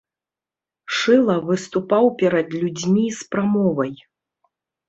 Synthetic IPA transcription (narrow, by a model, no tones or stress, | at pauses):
ʂɨlˠɐvɨst̪upawpʲɛɾɐd̪lʲud͡zʲmʲispɾamɔvɐj